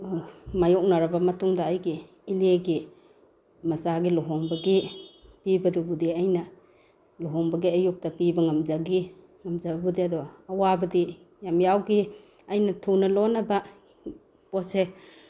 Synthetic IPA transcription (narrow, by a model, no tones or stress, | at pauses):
majɔk̚naɾabamɐtuŋdaːjɡiː | leɡi | mɐsaɡilɔɦɔŋbɐɡipibɐdubudiajnɐ | lɔɦɔŋbɐɡiajuk̚tapibɐŋamzaɡi | ŋamzababudiadɔːwabɐdi | jamjawɡi | ajnɐtʰunɐlɔnaba | pɔse